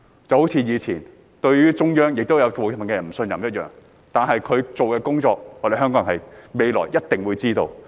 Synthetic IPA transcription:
t͡sɐ˨who˨˥t͡sʰiː˧jiː˨˧t͡sʰiː˨˩n | t̪ɵ˧ɥɥyː˥t͡ʃʊ˥ŋjœː˥ŋjɪ˨k̚t̪o˥wjɐ˨˧wɔː˨jfɐ˨˩kɛ˧ɐ˨˩m̩˨˩sɵ˧njɐ̰˨mjɐ˥t̚jœ̰ː˨ŋ | t̪aː˨nɦɐ˨jkʰɵ˨˧ɥt͡so˨wkɛː˧kʊ˥ŋt͡sɔː˧k̚ɔː˨˧de˨jɦœ˥ŋkɔː˧˥˨hɐ˨jme˨˧jlɔ̰ː˨˩jjɐ˥t̚t̪ɪ˨ŋwuː˨˧jt͡siː˥t̪o̰˧w

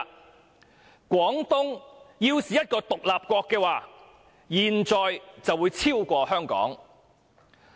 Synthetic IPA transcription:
kʷɔː˨˥ŋt̪ʊ˥ŋjiː˧wsiː˨jɐ˥t̚kɔː˧t̪ʊ˨k̚laː˨p̚kʷɔː˧kːɛː˧waː˨˩ | jiː˨˩nt͡sɔː˨jt͡sɐ˨wuː˨˧jt͡sʰiː˥wkʷɔː˧hœː˥ŋkɔ̰ː˨˥ŋ

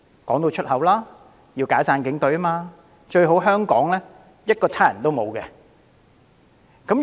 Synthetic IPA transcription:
kɔː˨˥ŋt̪o˧wt͡ʃʰɵ˥t̚hɐ˨˥wlaː˥ | jiː˧wkaː˨˥t͡saː˧nkɪ˨˥ŋt̪ɵ˨˥ɥmaː˧ | t͡ʃɵ˧ɥɦo˨˥wɦœː˥ŋkɔ̰ː˨˥ŋlɛː˥ | jɐ˥t̚kɔː˧t͡sʰaː˥jɐ˨˩nt̪o˥wmo˨˧wkɛ̰ː˧ | kɐ˨˥m

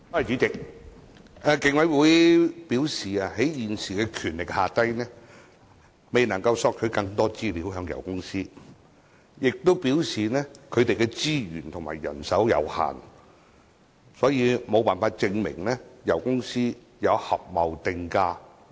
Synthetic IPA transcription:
aː˧˩jt͡ʃyː˨˥t͡sɪ˨k̚ | ʔa˨˧kɪ˨˧ŋwɐ˨˥jwuː˨˥jpiː˨˥wsiː˨aː˧he˨˥jjiː˨nsiː˨kɛː˧kʰyː˨˩nlɪ˨k̚haː˨t̪ɐ˥jnɛː˥ | me˨jnɐ˨˩ŋkɐ˧wsɔː˧k̚kʰɵ˨˧ɥkɐ˧ŋt̪ɔː˥t͡siː˥liː˨˥wɦœː˨˧ŋjɐ̰˨˩wkʊ˥ŋsiː˥ | jɪ˨k̚t̪o˥wpiː˨˥wsiː˨nɛː˥kʰɵ˨˧ɥt̪e˨jkɛː˧t͡siː˥jyː˨˩nt̪ʰʊ˨˩ŋma̰ː˨˩jːɐ̰˨˩nsɐ˨˥wjɐ̰˨˧wha̰ː˨n | sɔː˨˥jiː˨˧mo˨˧wpaː˨nfaː˧t̚t͡sɪ˧ŋmɪ̰˨˩ŋnɛː˥jɐ˨˩wkʊ˥ŋsiː˥ | jɐ˨˧whɐ˨p̚mɐ˨wt̪ɪ˧ŋkaː˧

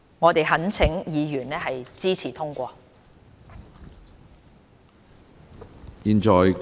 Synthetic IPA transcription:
ŋɔː˨˧t̪e˨jɦɐ˨˥nt͡sʰɪ˨˥ŋjiː˨˧jyː˨˩nɛː˥ɦɐ˨jt͡siː˥t͡sʰiː˨˩t̪ʰʊ˥ŋkʷɔː˧ | jiː˨˧nt͡ʃɔː˨j

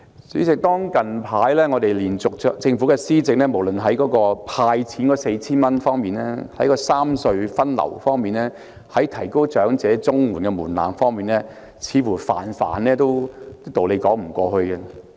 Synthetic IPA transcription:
t͡syː˨˥t͡sɪ˨k̚t̪ɔː˥ŋkɐ˨npʰaː˨˥jlɛː˥ŋɔː˨˧t̪e˨jliː˨˩nt͡sʊ˨k̚ːt͡sɪ˧ŋfu˨˥kɛː˧siː˥t͡sɪ˨k̚nɛː˥mo˨˩wlɵ˨nɦɐ˨˥jkɔː˨˧˥kɔː˧pʰaː˧jt͡sʰiː˨˥nkɔː˨˥se˧jt͡sʰiː˥nmɐ˥nfɔː˥ŋmiː˨nlɛː˥hɐ˨˥jkɔː˧saː˥msɵ˧ɥfɐ˥nlɐ̰˨˩wfɔː˥ŋmiː˨nlɛː˥ | hɐ˨˥jt̪ʰɐ˨˩jko˥wt͡ʃœː˨˥ŋt͡sɛː˨˥t͡sʊ˥ŋmuː˨˩nkɛ˧muː˨˩nla̰ː˨˩mfɔː˥ŋmiː˨nɛː˥ | t͡sʰiː˨˧fuː˨˩fa̰ː˨˩nfa̰ː˨˩nlɛː˥t̪o˥wt̪t̪o˨wle˨˧jkɔː˨˥ŋm̩˨˩kʷɔː˧hɵ˧ɥkɐ˧

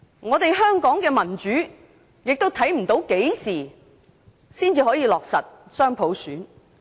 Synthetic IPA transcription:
ŋɔː˨˧t̪e˨jɦœː˥ŋkɔː˨˥ŋkɛː˧mɐ˨˩nt͡ʃyː˨˥ | jɪ˨k̚t̪o˥wt̪ʰɐ˨˥jm̩˨˩t̪o˨˥wke˨˥jsiː˨˩ | siː˥nt͡siː˧hɔː˨˥jiː˨˧lɔː˨k̚sɐ˨t̚sœː˥ŋpʰo˨˥wsyː˨˥n

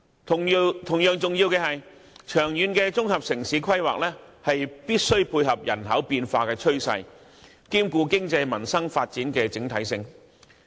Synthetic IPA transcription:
t̪ʰʊ˨˩ŋjœː˨ŋt͡sʊ˨ŋjiː˧wkɛ˧hɐ˨j | t͡ʃʰœː˨˩ŋjyː˨˧nkɛ˧t͡sʊ˥ŋhɐ˨p̚sɪ˨˩ŋsiː˨˥kʰɐ˥jwa̰ː˨k̚lɛː˥hɐ˨jpiː˥t̚sɵ˥ɥpʰuː˧jɦɐ˨p̚jɐ̰˨˩nɦɐ˨˥wpiː˧nfaː˧kɛː˧t͡ʃʰɵ˥ɥsɐ̰˧j | kiː˥mkuː˧kɪ˥ŋt͡sɐ˧jmɐ˨˩nsɐ˥ŋfaː˧t̚t͡siː˨˥nkɛː˧t͡sɪ˨˥ŋt̪ʰɐ˨˥jsɪ˧ŋ

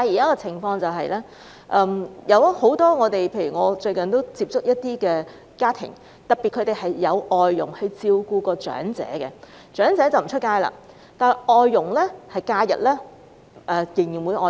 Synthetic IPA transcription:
t̪aː˨˧ji˨˩kaː˦˥kɔ˧t͡sʰɪ˨˩ŋfɔː˧ŋt͡sɐ˨wɦɐ˨jlɛ˥ | ʔɛː˧˩mjɐ˨˧who˨˥wt̪ɔː˥ŋɔː˨˧t̪e˨jpʰe˧jɥyː˨˩ŋɔː˨˧t͡ʃɵ˧ɥkɐ˨nt̪o˥wt͡siː˧p̚t͡sʊ˥k̚jɐ˥t̚t̪iː˥kɛː˧ | kaː˥t̪ʰɪ̰˨˩ŋ | t̪ɐ˨k̚pːi˨t̚kʰɵ˨˧˥t̪e˨˩jhɐ˨jːɐ˨˧wʔɔː˨jːʊ˨˩ŋhɵ˧ɥt͡siː˧wkuː˧kɔː˧t͡ʃœ̰ː˨˥ŋt͡sɛ̰ː˨˥kɛ˧ | t͡ʃœː˨˥ŋt͡sɛː˨˥t͡sɐ˨wm̩˨˩t͡ʃʰɵ˥t̚kaː˥jla̰ː˧ | t̪aː˨˩ʔɔː˨˧jːʊ˨˩ŋlɛː˥hɐ˨jkaː˧˥jɐ̰˨˩t̚lɛː˥ | ɛː˨jɪ˨˩ŋji˨˩nwuː˨˧jʔɔ̰ː˨

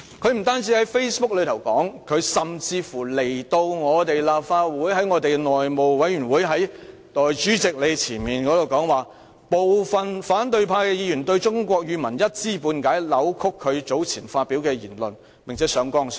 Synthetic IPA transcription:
kʰɵ˨˧ɥm̩˨˩t̪aː˥nt͡si˨˥hɐ˨˥jfe˥jspʊ˥k̚lɵ˨˧ɥt̪ʰwkɔ̰ː˨˥ŋkʰɵ˨˧ɥsɐ˨mt͡siː˧fu˨˩le˨˩jt̪o˧wŋɔː˨˧t̪e˨jlaː˨p̚faː˧wuː˨˥jhɐ˨˥jŋɔː˨˧t̪e˨jnɔː˨jmo˨˩wwɐ˨˥jɥyː˨˩nwuː˨˥jɦɐ˨˥j | t̪ɔː˨jt͡ʃyː˨˥t͡sɪ˨k̚le˨˧t͡sʰiː˨˩nmiː˨nkɔː˨˥d̪o˨wkɔː˨˥ŋwaː˨ | po˨wfɐ˨nfaː˨˥nt̪̬ɵ˧ɥpʰaː˧kɛː˧jiː˨˧jy˨˩nt̪ɵ˧ɥt͡ʃʊ˥ŋkʷɔː˧k̚jyː˨˧mɐ˨˩njɐ˥t̚t͡siː˥˩puː˧nkaː˨˥jlɐ˨˥wkʰʊ˥kʰːɵ˨˧ɥt͡so˨˥wt͡sʰiː˨˩nfaː˧t̚pi˨˥wkɛː˧jḭː˨˩nlɵ̰˨n | pɪ˨˩ŋt͡sʰɛː˨˥sœː˨˧ŋkɔː˥ŋs

